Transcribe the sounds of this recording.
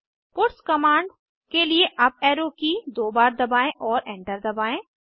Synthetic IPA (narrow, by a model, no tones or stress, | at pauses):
pʊɾskɐmaːɳɖ | kelieʔɐpɛːɾokid̪oːbaːɾd̪ɐbaːẽʔɔːɾɛ̃ːɳʈəɾd̪ɐbaːẽː